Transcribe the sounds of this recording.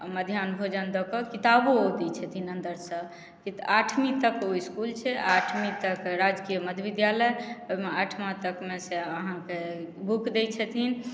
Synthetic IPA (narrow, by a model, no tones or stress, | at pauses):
məd̪ʱjanbʱod͡ʒənd̪ɔkəkit̪abood̪ɛt͡ʃʰɛt̪ʰinənd̪əɾsə̃ | kit̪aʈʰmĩt̪əkoiskult͡ʃʰɛʔaʈʰmĩt̪əkɾad͡ʒkijəməd̪ʱjbid̪jaləjomeaʈʰmãt̪əkmeseəɦãkebʱukd̪et͡ʃʰɛt̪ʰin